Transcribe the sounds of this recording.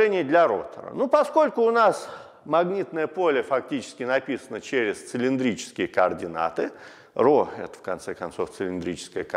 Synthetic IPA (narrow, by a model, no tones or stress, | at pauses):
ɛnʲɪjəd̪lʲɐɾo̰t̪ə̰ɾə̰nupɐsko̞lʲkʊːnas | mɐɡnʲit̪nəjəpo̞lʲəfɐktʲit͡ɕɪ̥skʲɪnɐpʲisənət͡ɕeɾʲɪst̪səlʲɪnd̪ɾʲit͡ɕɪ̥skʲɪjəkəɐrdʲɪna̰t̪ɨ | ɾoɛt̪ə̥fkɐnt̪sɛkɐnt̪so̞ft̪səlʲɪnd̪ɾʲit͡ɕɪ̥skəjək